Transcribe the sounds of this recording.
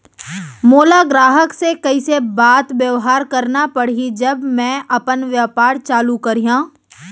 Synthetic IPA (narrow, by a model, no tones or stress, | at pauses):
moːlaɡɾaːɦəksekɐisebaːt̪ʋjɐʋɦaːɾkɐɾnapɐɽ̤id͡ʒɐbmɛ̃ːʔɐpənʋjəpaːɾt͡ʃaːlukɐɾijãː